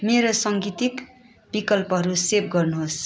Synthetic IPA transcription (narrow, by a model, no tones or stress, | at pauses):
meɾosʌŋɡit̪ik | bikʌlpʌɦʌɾuseb̚ɡʌrnuɦos